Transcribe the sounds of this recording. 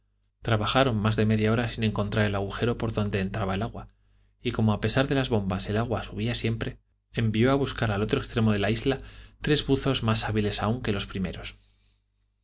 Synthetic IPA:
t̪ɾaβaxaɾo̞nmazðe̞me̞ðjao̞ɾasinẽ̞ŋko̞nt̪ɾaɾe̞laɣ̞uxe̞ɾo̞po̞ɾðo̞nd̪e̞ːnt̪ɾaβae̞laɣwa | iko̞mo̞ape̞saɾðe̞lazβo̞mbase̞laɣwasuβ̞iasje̞mpɾe̞ | embio̞aβuskaɾalo̞t̪ɾokst̪ɾe̞mo̞ð̞e̞laizlat̪ɾe̞zβuθo̞zmasaβile̞sauŋke̞lo̞spɾime̞ɾo̞s

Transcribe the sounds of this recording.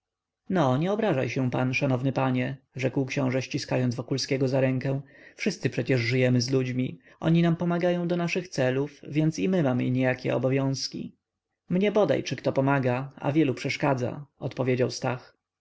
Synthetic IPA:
nɔɲɛɔbɾaʐajɕɛ̃panʂanɔvnɘpaɲɛ | ʐɛkwkɕɔ̃w̃ʐɛɕt͡ɕiskajɔnd̪vɔkulskʲɛɡɔzaɾɛŋkɛ̃w̃fʂɘst̪sɘpʂɛt͡ɕɛʐʐɘjɛmɘzlud͡ʑmʲi | ʔɔ̰ɲinampɔmaɡajɔ̃w̃d̪ɔnaʂɘxt̪sɛlufvʲjɛnt̪simɘmamɘ̰iɲɛjakʲɛ̰ɔ̰bɔvʲjɔ̃w̃skʲḭ | mɲɛbɔd̪a̰jt͡ʂɘkt̪ɔpɔmaɡaa̰vʲjɛlupʂɛʂkad̪za̰ɔt̪pɔvʲjed͡ʑawst̪ax

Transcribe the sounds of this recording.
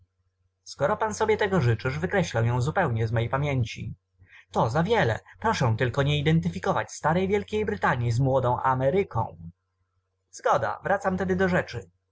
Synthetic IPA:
skɔɾɔpansɔbʲjɛt̪ɛɡɔʐɘt͡ʂɘʐvɘkɾɛɕlɛw̃jɔ̃w̃zupɛwɲɛzmɔjpamʲjɛɲt͡ɕi | t̪ɔzavʲjɛlɛ̰pɾɔʂɛ̃t̪ɘlkɔɲɛid̪ɛnt̪ɘfʲikɔvat͡ɕst̪aɾɛjvʲjɛlkʲejbɾɘt̪aɲjizmwɔd̪ɔ̃w̃ʔamɛɾɘkʰɔ̰̃w̃ | z̥ɡɔd̪a̰vɾat̪samt̪ɛd̪ɘd̪ɔʐɛt͡ʂɘ

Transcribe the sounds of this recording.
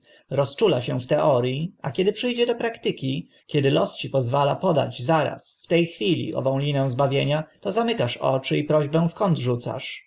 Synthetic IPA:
ɾɔst͡ʂulaɕɛft̪ɛʔɔɾʲjia̰kʲɛd̪ɘpʂɘjd͡ʑɛd̪ɔpɾakt̪ɘkʲi | kʲɛd̪ɘlɔst͡ɕipɔzvalapɔd̪a̰d͡ʑzaɾa̰sft̪ɛjxfʲilʲḭʔɔ̰vɔ̃w̃lʲinɛ̃w̃zbavʲjeɲat̪ɔzamɘkaʂɔ̰t͡ʂɘipɾɔʑbɛ̃w̃fkɔnd̪ʐut̪sa̰ʂ

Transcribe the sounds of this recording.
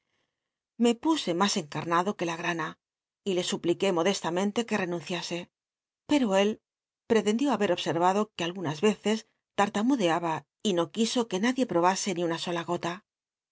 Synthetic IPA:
me̞puse̞mase̞ŋkaɾnaðo̞ke̞laɣ̞ɾana | ile̞suplike̞mo̞ðe̞st̪amẽ̞nt̪eke̞re̞nũnθjase̞ | pe̞ɾo̞e̞l | pɾe̞t̪e̞nd̪jo̞aβe̞ɾo̞βse̞ɾβaðo̞kealɣunazβe̞θe̞s | t̪aɾt̪amuðe̞aβa | ino̞kiso̞ke̞naðje̞pɾo̞βase̞niunaso̞laɣo̞t̪a

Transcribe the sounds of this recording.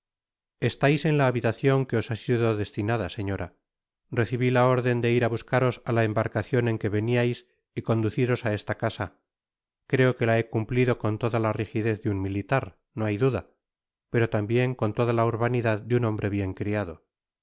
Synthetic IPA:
e̞st̪ajse̞nlaːβit̪aθjo̞ŋke̞o̞sasiðo̞ðe̞st̪inaðase̞ɲo̞ɾʔa | re̞θiβilao̞ɾðe̞nd̪e̞iɾaβuskaɾo̞salaembaɾkaθjo̞ne̞ŋke̞βe̞niajs | iko̞nd̪uθiɾo̞sae̞st̪akasa | kɾe̞o̞kelae̞kumpliðo̞ko̞nt̪o̞ðalarixiðe̞θðeunmilit̪aɾ | no̞ajðuða | pe̞ɾot̪ambje̞ŋko̞nt̪o̞ðalauɾβaniðaðd̪unõ̞mbɾʔe̞βje̞ŋkɾiaðo̞

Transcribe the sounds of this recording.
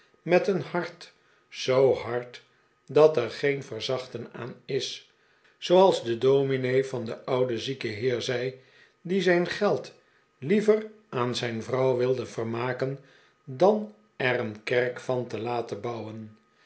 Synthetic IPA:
mɛtənhɑɹt | zowɦɑɹt | dɑtɛɹχejnvəɹzɑχtəna̰ːnɪs | sowɑlˠzdədominejvɑndəʔʌwdəzikəɦɪːɹzɛj | dizɛjnχɛlˠt | livər | ʔaːnzɛjnvrɑwʋɪlˠdəvərmaːkən | dɑn | ɛrənkɛɹkfɑntəlaːtəbɑwən

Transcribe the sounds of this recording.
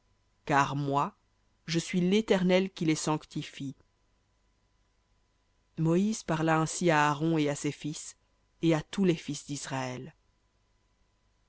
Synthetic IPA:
kaʁmwa | ʒəsɥilet̪ɛʁnɛlkʲilesɑ̃kt̪ifi | mɔizpaʁlaɛ̃siaːʁɔ̃easefis | eat̪ulɛfisd̪isʁaɛl

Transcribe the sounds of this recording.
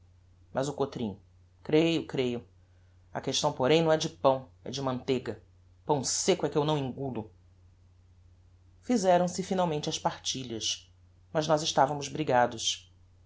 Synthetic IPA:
mʔɐzʊkot̪ɾĩŋ | kɾejʊkɾejʊ | ɐ̰keʃt̪ɐ̃w̃poɾẽj̃nɐ̃w̃ɛd͡ʒɪpɐ̃w̃ɛ̰d͡ʒɪmɐ̃nt̪eɡɐ | pɐ̃w̃sekʊɛkɪewnɐ̃w̃ĩŋɡulʊ | fizɛɾɐ̃w̃sɪfinawmẽnt͡ʃɪɐspaɾt͡ʃiʎɐs | mɐznɔzɪʃt̪avɐmʊzbɾiɡad̪ʊs

